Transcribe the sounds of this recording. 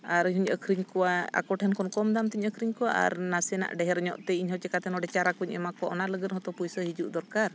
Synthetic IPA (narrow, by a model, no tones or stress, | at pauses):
aɾɲɦuɲəkʰɾiɲkɔwaa̰kɔʈʰɛnkɔnkɔmd̪amt̪iɲəkʰɾiɲkɔwaʔa̰ɾnasɛna̰ʔɖɛɦɛɾɲɔ̰ʔt̪ɛiɲɦɔwt͡ʃɛkat̪ɛnɔɖɛt͡ʃaɾakuɲɛmakɔʔɔnaləɡənɦɔt̪ɔpujsəɦid͡ʒuʔd̪ɔɾkaɾ